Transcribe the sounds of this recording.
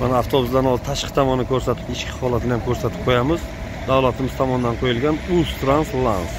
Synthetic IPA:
manaːft̪ʰobʊzd̪anɒzt̪ʰaʃqʰɨt̪ʰɒmɒnːɪkʰɵɾsat̪ʰɪ̥pɪʃkʲʰɪ̥hɒlˠat̪ʰɪnɪjamkʰɵɾsat̪ʰɪ̥p̚qʰojamɪz | d̪awlat̪ʰɪmɪz̥t̪ʰɒmɒnd̪anqʰojɪlɡʲanust̪ɾanslˠans

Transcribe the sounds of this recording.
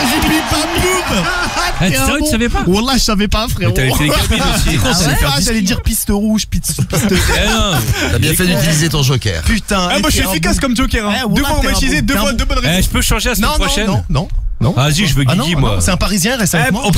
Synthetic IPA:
ʒpipamlub | ɛ̃sasavɛpawulaʒəsavɛpaɛ̃fχɛʁavɛt̪eeoikɔ̃fɛaʒalɛd̪iʁpist̪əʁuʒpit̪ipist̪ətɛ̃ | yabjɛ̃fɛd̪yt̪ilizet̪ɔ̃ʒokʲɛ̰ʁpyt̪ɛ̃ɛmɔʃiefikaskɔmd͡ʒokʲɛʁɛ̃wd̪økaaiized̪øɔd̪øbɔnʁɛʒəpøʃɑ̃ʒelasnɛ̃ɛ̃pχɔʃɛnɔ̃nɔ̃nɔ̃aziʒəvøanɔ̃ɡimwãsɛt̪ɛ̃paʁizjɛ̃ʁɛsaɛmp

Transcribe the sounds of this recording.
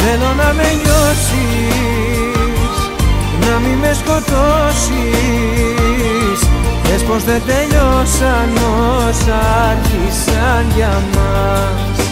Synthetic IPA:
d̪eðonameʎosi | sunamimeskot̪osi | sdespozðet̪eʎosaɾmosaɾkisanʎa | ma | s

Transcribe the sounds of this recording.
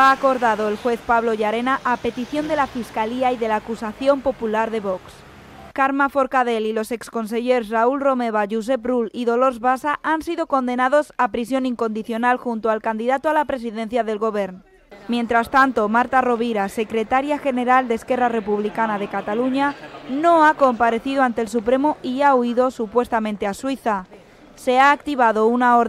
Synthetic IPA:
aːko̞ɾðaðo̞elxwe̞θpaβlo̞ʝaɾe̞naʔape̞t̪iθjo̞nd̪e̞lafiskaliaiðe̞laːkusaθjo̞mpo̞pulaɾðe̞βo̞ks | kaɾmafo̞ɾkað̞e̞lilo̞se̞ksko̞ns̬e̞ʝe̞ɾsraulro̞me̞β̞aʝus̬e̞pruliðo̞lo̞ɾzβasaʔansiðo̞ko̞nd̪e̞naðo̞sapɾisjo̞niŋko̞nd̪iθjo̞nalxunt̪oalkand̪iðat̪oalapɾe̞s̬iðe̞n̟θjaðe̞lɣo̞β̞e̞ɾn | mje̞nt̪ɾast̪ant̪o̞maɾt̪aro̞β̞iɾase̞kɾe̞t̪aɾjaxe̞ne̞ɾald̪eːske̞rare̞puβ̞likanað̞e̞kat̪aluɲano̞ako̞mpaɾe̞θiðoant̪e̞ls̬upɾe̞moiauiðo̞supwe̞st̪amẽ̞nt̪easwiθa | se̞aːk̚t̪iβ̞aðo̞unaoɾ

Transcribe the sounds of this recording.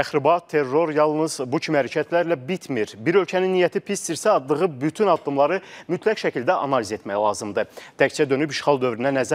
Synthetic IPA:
t̪ʰæxɾibɑt̪ʰːe̞rːo̞ɾjɑlˠnɯz̥bucʰimihæɾæcʰæt̪ʰlæɾlæbit̪ʰmiɾbiɾø̞lcʰæninːijæt̪ʰipʰist̪iɾsæɑd̪lˠɯʁɯbyt̪ʰynɑd̪ːɯmlˠɑɾɯmyt̪ʰlæcʃæcʰild̪æʔɑnɑlize̞t̪mæjælˠɑːzɯmd̪ɯd̪̥æct͡ʃʰæd̪ø̞nypiʃχɑlˠd̪ø̞vɾinænæzæ

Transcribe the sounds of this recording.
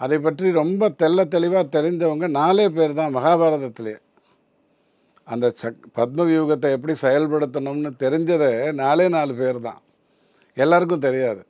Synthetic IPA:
ɐðɐɪp̬ːɐʈriɾɔmbɐt̪ɛlːɐt̪ɛɭɪʋaːt̪ɛɾɪɲd͡ʒɐʋɐŋɡɐnaːleːp̬eːɾt̪ãːmɐɣaːbaːɾɐðɐt̪ːɪlɐjɐ̰ | ɐnd̪ɐsɐpɐt̪̚mɐʋjuːɣɐt̪̬ːɐɛp̬ːɐɽisɛjɐlpɐɽɯt̪̬ːɐɳɯmnɯt̪ɛɾɪɲd͡ʒɐðɛnaːleːnaːlɯpeːɾt̪ã̰ː | ɛlːaːɾɯk̬ːʊ̃t̪̬ɛɾɪjaːðɯ

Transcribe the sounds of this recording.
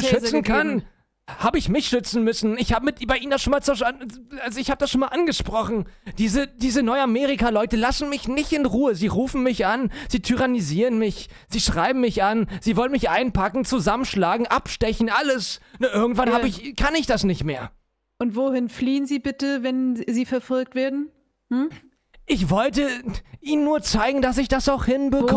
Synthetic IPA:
ʃʏt͡sn̩kʰan | haːbəɪçmɪçʃʏt͡sn̩mʏsn̩ɪçhaːbəmɪtbaɪʔiːnəndasʃoːnmaːlt͡sɛɐʃanalzoɪçhaːbədasʃoːnmaːlʔanɡəʃpʁ̥ɔχn̩d̥iːzəd̥iːzənɔʏameːʁ̞ikalɔʏtəlasn̩mɪçnɪçtɪnʁuːəziːʁuːfn̩mɪçʔanz̥iːtʰyʁaniziːʁənmɪç | z̥iːʃʁ̥aɪbm̩mɪçʔanz̥iːvɔlənmɪçʔaɪnpʰakŋ̩t͡suzamənʃlaːɡŋ̩ʔapʃtɛçn̩ʔaləsnaʔɪɐɡŋ̩tv̥anhaːbəɪçkʰanɪçd̥asnɪçtmeːɐ | ʔʊntv̥oːhɪnfliːənziːbɪtəvɛnziːfɛɐfɔlk̚tv̥eːɐdn̩ | h̩ | ʔɪçv̥ɔltəʔiːnənːuːɐt͡saɪɡŋ̩das̬ɪçd̥asaʊxhɪnbəkʰ

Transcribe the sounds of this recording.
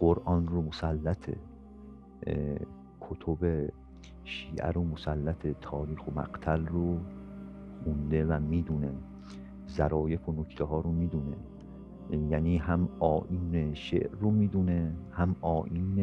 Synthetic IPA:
ɢoɾʔɒːnromosælːæt̪ʰḛ | kʰot̪ʰobe | ʃiːʔæ̰ɾomosælːæt̪ʰet̪ʰɒːɾiːxomæ̰ɡt̪ʰælro | mund̪e̞væmiːd̪une | zæɾɒːje̞fonokʰt̪ʰeɦɒːɾomiːd̪unḛ | jæːniːɦæmɒːʔiːneʃḛʔromiːd̪unehæmɒːʔiːne

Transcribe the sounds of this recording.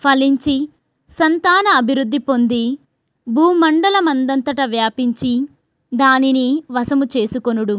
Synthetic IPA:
pʰɐliɲt͡ʃi | sɐnt̪aːnɐːbʱiɾud̪ːipo̞nd̪i | bʱuːmɐɳɖɐlɐmɐnd̪ɐnt̪ɐʈɐʋjaːpiɲt͡ʃi | d̪aːniniʋɐsɐmut͡ʃe̞ːsukonuɽu

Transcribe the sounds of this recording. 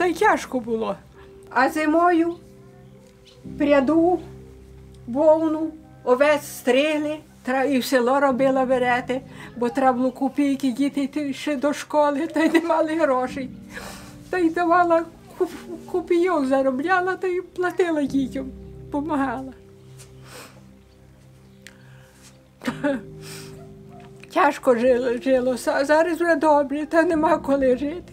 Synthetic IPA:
t̪ɐjtʲɑʃkɔbʊlˠɔ | ɐzemɔjʊ | pɾʲɐd̪u | ʋɔwnu | ɔʋɛsʲst̪ɾɪɦlˠɪ | t̪ɾɛiwselˠɔɾɔbɪlˠɐʋeɾɛt̪ɪbɔt̪ɾɛblˠʊkʊpʲijkɪdʲit̪ɪt̪ɪʃɛd̪ɔʃkɔlˠɪt̪ɐjnɛmɑlˠɪɦɾɔʃej | t̪ɐjd̪ɐʋɑlˠɐ | kukʊpʲijɔwzɐɾɔblʲɑlˠɐt̪ɐjplˠɐt̪ɪlˠɐdʲitʲɐmpɔmɐɦɑlˠɐ | t̪ | tʲɑʃkɔʒʒɪlˠɔszɑɾɐsɛd̪ɔbrɛt̪ɐnemɑkɔlˠɪʒɪt̪ɪ

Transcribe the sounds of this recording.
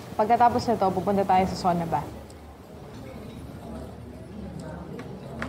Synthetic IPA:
pɐɡ̚kɐt̪aːpɔsɪt̪opupunt̪ɐt̪aːjosɐsoːnɐba

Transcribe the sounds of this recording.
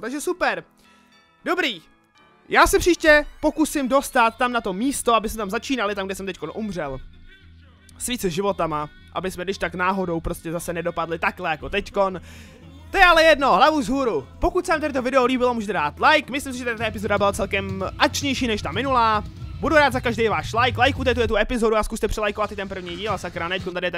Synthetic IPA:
t̪aɡʒɛsupɛɾ | do̞bɾiː | jaːsɛpr̥iːʃcɛpo̞kusɪmdo̞st̪at̪ːamnat̪o̞miːst̪oabɪsmɛt̪amzat͡ʃiːnalɪt̪amɡdɛsɛmt̪ɛckonʔumr̝ɛl | sviːt͡sɛʒɪvo̞t̪ama | ʔa̰bɪsmɛɡdɪʃt̪aknaːɦo̞do̞wpɾo̞scɛzasɛnɛdo̞padlɪt̪aklɛjako̞t̪ɛcko̞n | t̪ojɛalɛjɛdno̞ɦlavuzɦuːɾupo̞kut̪sɛaːmt̪aɾɪt̪o̞vɪdɛoliːbɪlo̞muːʒɛt̪ɛdaːt̪lajkmɪslɪms̬ɪʒɛt̪adt̪aɛp̬ɪzo̞dabɪlat͡sɛlkɛmʔak̚t͡ʃɲɛjʃiːnɛʃt̪amɪnulaːbuduɾaːd̪zakaʒdɛjvaːʃlajklajkuːt̪ɛɪt̪ujɛt̪uɛpɪzo̞duaskust̪ɛpr̝̥ɛlajkovat̪ɪt̪ɛnpr̩vɲiːɟiːlasakɾanɛɛckont̪adɪjɛt̪ɛ

